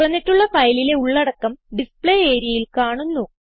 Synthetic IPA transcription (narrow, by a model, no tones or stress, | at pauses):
rɐnːiʈːuɭːɐfɐjlile̞uɭːɐɽɐkːɐmɖispɭeːeːɾjɐjilkaːɳunːu